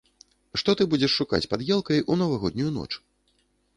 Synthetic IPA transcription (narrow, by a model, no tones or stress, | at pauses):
ʂt̪ɔt̪ɨbud͡zʲɛʂːuka̰t͡sʲpad̪jɛlˠkɐjʔunɐvaɣɔd̪ʲnʲujunɔ̰t͡ʂ